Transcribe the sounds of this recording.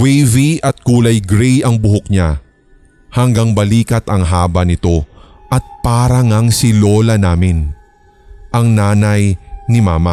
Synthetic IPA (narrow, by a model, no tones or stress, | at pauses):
wɛjviʔɐt̪̚kuːlɐjɡɾɛjɐŋbʊɦʊk̚ɲa | hɐŋɡɐŋbɐliːkɐt̪ɐŋɦaːbɐnɪt̪o̞ | ʔɐt̪̚paːɾɐŋaŋsɪlo̞ːlɐnaːmɪn | ʔɐŋnaːnɐjnɪmaːmɐ